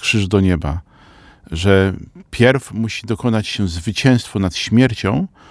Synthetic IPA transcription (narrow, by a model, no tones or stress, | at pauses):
kʂɘʐd̪ɔɲɛba | ʐɛpʲjɛɾfmuɕid̪ɔkɔnat͡ɕɕɛzvɘt͡ɕɛ̃w̃st̪fɔnat̪ɕmʲjɛɾt͡ɕɔ̃w̃